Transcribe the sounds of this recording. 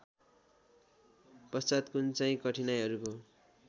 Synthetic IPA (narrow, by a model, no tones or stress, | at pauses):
pʌst͡sat̪kunt͡saĩkʌʈʰinajɦʌɾuko